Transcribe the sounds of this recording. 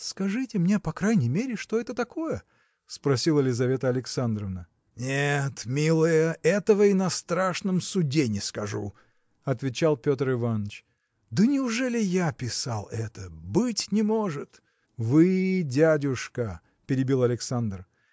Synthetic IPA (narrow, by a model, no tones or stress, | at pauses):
skɐʐɨtʲɪmnʲepɐkɾajnʲɪjmʲeɾʲɪʂt̪o̞ɛt̪ət̪ɐko̞jə | spɾɐsʲilˠəlʲɪzɐvʲe̞t̪əɐlʲɪksand̪ɾəvnə | nʲet̪mʲilˠəjəɛt̪əvəinɐst̪ɾaʂnəmsʊdʲenʲɪskɐʐṵ | ɐt̪vʲɪt͡ɕalˠpʲo̞t̪rɨvanːət͡ɕ | d̪ənʲɪʊʐɛlʲɪjapʲɪsa̰lˠɛt̪əbɨtʲnʲɪmo̞ʐɨt̪ | vɨdʲædʲʊʂkə | pʲɪɾʲɪbʲilˠɐlʲɪksand̪r